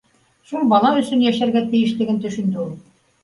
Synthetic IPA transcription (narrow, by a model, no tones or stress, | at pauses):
ʃulˠbɑlˠɑɵ̆sɵnjæʃæɾɡæt̪ɘ̆jɘ̆ʃlɘ̆ɡɘnt̪ɵ̆ʃɵ̆nd̪ɘulˠ